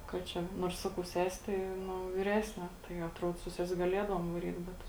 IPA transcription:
kɐt ˈt͡ʃʲɛ ˈnuɔrs ˈsɑːkɐʊ ˈsʲæːsʲɪ tɐɪ ˈnʊ ʋʲɪˈrʲæːsʲnʲeː tɐɪ ɐtˈruɔt sʊ ˈsʲɛsʲ ɡɐˈlʲiɛdɐʋuɔm ʋɐˈrʲiːt ˈbʲɛt

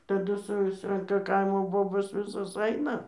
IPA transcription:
tɐˈdʊ ˈsʊsrɐŋkɐ ˈkɐɪmoː ˈboːboːs ˈʋʲɪsoːs ˈɐɪnɐ

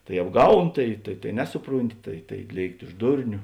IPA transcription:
tɐɪ ɐbˈɡɐʊn ˈtɐɪ tɐɪ tɐɪ ˈnʲæːsʊˌpruːnʲˌtʲɪ tɐɪ tɐɪ ˈlʲeːɪktʲɪ ʊʃ ˈdʊrʲnʲʊ

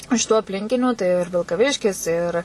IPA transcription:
ɪʃ tuː ɐpʲˈlʲɪŋʲkʲɪnʲuː tɐɪ ɪr ʋʲɪlˠkɐˈʋʲɪʃʲkʲɪs ɪr

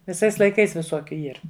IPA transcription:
ʋʲɪˈsɐɪs lˠɐɪˈkɐɪs ʋʲɪˈsoːkʲʊ ˈiːr

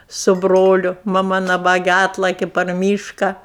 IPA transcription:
sʊ ˈbroːlʲʊ mɐˈmɐ nɐˈbɑːɡʲɛ ˈɑːtlˠɐkʲɪ pɐr ˈmʲiːʃkɐ

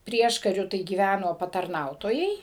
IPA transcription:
ˈpʲrʲiɛʃkɐrʲʊ tɐɪ ɡʲiːˈʋʲænoː pɐtɐrˈnɐʊtoːjɛɪ

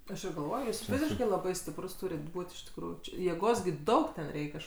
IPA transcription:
ˈɐʃ ɪr ɡɐlˠˈʋoːj ˈjuːs ˈfʲɪzʲɪʃkɐɪ lˠɐˈbɐɪ sʲtʲɪpˈrʊs ˈtuːrʲɪt ˈbuːtʲ ɪʃ tʲɪkˈruːjuː t͡ʃʲɪ jeːˈɡoːs ɡʲɪ ˈdɐʊk tʲɛn ˈrʲɛɪkʲ ˈɐʃ

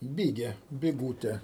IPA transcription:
ˈbʲɪɡʲɛ bʲɪˈɡuːtʲɛ

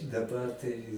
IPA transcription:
dɐˈbɐr tɐɪ

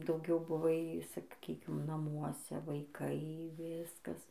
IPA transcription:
dɐʊˈɡʲɛʊ bʊˈʋɐɪ sɐˈkʲiːkʲɪm nɐˈmuɔsʲɛ ʋɐɪˈkɐɪ ˈʋʲɪskɐs

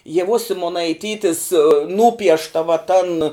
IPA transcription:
iɛˈʋoːs sʲɪmoːnɐɪˈtʲiːtʲɪs ˈnuːpʲiɛʃtɐ ʋɐ tɐn

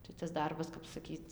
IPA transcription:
tɐɪ tɐs ˈdɐrbɐs kɐp sɐˈkʲiːt

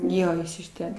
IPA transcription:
ˈjoː ˈjɪs ɪʃ ˈtʲɛn

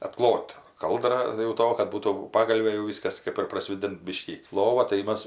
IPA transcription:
ɐtˈklˠoːt ˈkɐlˠdrɐ jɛʊ ˈtoː kɐt ˈbuːtuː ˈpɑːɡɐlʲʋʲeː jɛʊ ˈʋʲiːskɐs ˈkɜp ɪr prɐˈsʲʋʲeːdʲɪnt ˈbʲɪʃʲkʲiː ˈlˠoːʋɐ tɐɪ ˈmɐs

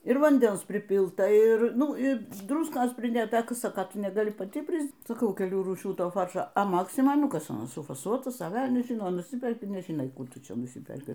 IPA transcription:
ɪr ʋɐnʲˈdʲɛns pʲrʲɪˈpʲɪlˠtɐ ˈɪr ˈnʊ ˈɪ ˈdrʊskoːs pʲrʲɪˈdʲeːtɐ ˈkɐ ˈsɑːkɐ ˈtʊ nʲɛɡɐˈlʲɪ pɐˈtʲɪ ˈpʲrʲɪs sɐˈkɐʊ kʲɛˈlʲuː ruːˈʃʲuː ˈtoːˈfɐrʃoː ɐ ˈmɑːksmoːj ˈnʊ ˈkɐs ɐˈnɐs sʊfɐˈsuɔtɐs ɐ ˈʋʲɛlʲnʲɛs ˈʒʲɪnoː nʊˈsʲɪpʲɛrʲkʲɪ nʲɛʒʲɪˈnɐɪ ˈkuː ˈtʊ ˈt͡ʃʲɛ nʊˈsʲɪpʲɛrʲkʲɪ

